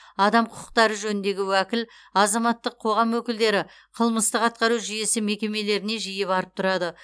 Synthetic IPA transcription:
ɑd̪ɑmqʰʊqʰə̥q̚t̪ɑɾəʒɵnɪnd̪e̞ɡʲɪwækʲɪl | ɑzɑmɑt̪ːəqʰo̞ʁɑmwɵkʲɪld̪e̞ɾɪ | qʰəlˠməst̪əqɑt̪̚qɑɾuʒʏje̞sɪme̞kʲe̞me̞le̞ɾɪne̞ʒijɪpɑɾəp̚t̪ʰʊɾɑd̪ə

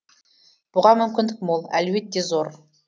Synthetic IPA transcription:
b̥ʊʁɑmʏmkʲɪnd̪ɪk̚molˠæ̰lbe̞t̪ːe̞zo̞ɾ

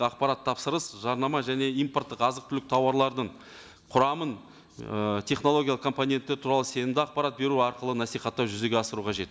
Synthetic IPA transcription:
ɑq̚pɑɾɑt̪ʰːɑpsəɾəsʒɑɾnɑmɑʒæne̞ijmport̪ːəqɑzəqt̪ʰʏlɪk̚t̪ʰɑwɑɾlˠɑɾd̪əɴ | qʰʊɾɑmən | ət̪ʲʰe̞χno̞lˠo̞ɡʲijalˠəqkʰo̞mponʲe̞nt̪ːeɾt̪ʰuɾɑlˠəse̞nɪmd̪ɪɑq̚pɑɾat̪̚be̞ɾuɑɾqəlˠənɑsijχɑt̪ːɑwʒʏze̞ɡʲeɑsəɾuqʰɑʒe̞t̪

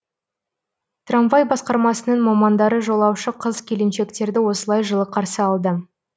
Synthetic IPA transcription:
t̪ranvajbɑsqɑɾmɑsənəɴmɑmɑnd̪ɑɾəʒo̞lˠɑwʃəqʰəzkʲʰe̞lenʃe̞kt̪e̞ɾd̪ɪwo̞səlˠɑjʒəlˠəqʰɑɾsəɑlˠd̪ə

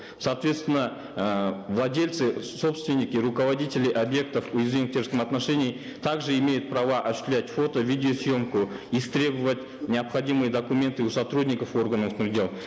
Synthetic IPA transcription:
saːt̪vʲe̞t̪st̪vɪnːə | vlˠɐdʲe̞lʲt̪sɨso̞pst̪vʲɪnʲːikʲɪɾʊkəvadʲitʲɪlʲɪʔabje̞k̚t̪əfujɪzvʲinɨt̪ʲʰe̞rskəmɐt̪naʂenʲɪj | t̪ʰaɡʐɨɪmʲe̞jʊt̪̚prɐvaʔɐɕʏ̥t̪ʲlʲætʲfo̞t̪əvʲidʲɪosjo̞mkʊist̪ɾʲe̞bɨvətʲ | nʲɪɐpχɐdʲimɨjəd̪ɐkumʲe̞nt̪ɨusɐt̪rudʲnʲɪkəfo̞rɡənənɪrdʲe̞lˠ

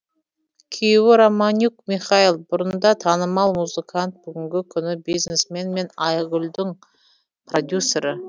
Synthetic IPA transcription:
kʲʰijwɪɾomanʲukmiχɑilˠbʊɾənnd̪ɑt̪ʰɑnəmɑlˠmuzɨkʰant̪̚b̥ʏɡʲɪŋɡʲɪkʲʰʏnɪbiznesme̞nme̞nɑjɡʲʊlʲd̪ɪŋ | prod̪ʲjusːe̞ɾə

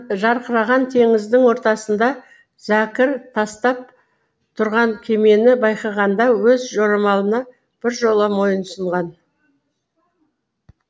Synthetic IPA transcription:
ʒɑɾqəɾɑʁɑnt̪ʰe̞ŋɪzd̪ɪŋwo̞ɾt̪ɑsənd̪ɑ | z̥ækʲɪɾt̪ʰɑst̪ɑp̚ | t̪ʰʊɾʁɑŋkʲʰe̞me̞nɪbɑjqɑʁɑnd̪ɑwɵzʒo̞ɾɑmɑlˠənɑ | b̥ɪɾʒo̞lˠəmo̞jənsəɴʁɑn

